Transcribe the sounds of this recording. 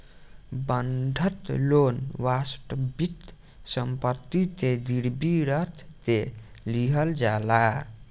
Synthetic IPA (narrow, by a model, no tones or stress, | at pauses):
bənɖ̪ʱət̪lonʋasʈəbit̪ | səmpət̪ːit̪ed̪iɾbiɾət̪ʰt̪e | liɦəld͡ʒala